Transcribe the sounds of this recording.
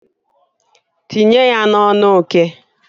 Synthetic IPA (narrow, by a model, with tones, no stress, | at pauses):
ti˨ɲe˦ja˦nɔ˦nʊ˦˨ke˦